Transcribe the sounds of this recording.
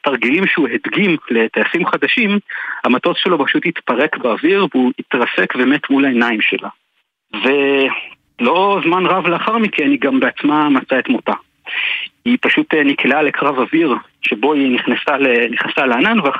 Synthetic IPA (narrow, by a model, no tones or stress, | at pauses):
taʁɡilimʃeuɦedɡimle̞tajasimχad̪aʃimhamato̞sʃelo̞baʃuthitpaʁe̞kbeaviʁvuitʁasekbeme̞tmulaenaimʃḛla | ve̞ | lo̞zmanʁavleaχaʁmikʰeniɡambeat͡smamat͡saetmota | ipaʃutniklalekʁavaviʁ | ʃebo̞iniχnasaleniχnasaleananvea